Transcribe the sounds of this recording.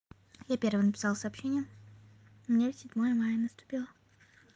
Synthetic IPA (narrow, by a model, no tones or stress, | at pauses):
japʲe̞rvəjənəpʲɪ̥sɑlˠsɐːpɕːenʲɪjə | mnʲesʲɪdʲmojəmajənəst̪ʊ̥pʲilˠə